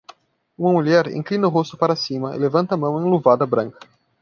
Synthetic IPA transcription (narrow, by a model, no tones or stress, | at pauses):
ũmɐmuʎɛɾḛ̃ŋklinɐʊɦost̪ʊpaɾɐsĩmɐɪ̰levɐ̃nt̪ɐmɐ̃w̃ẽluvad̪ɐbɾɐ̃ŋkɐ̥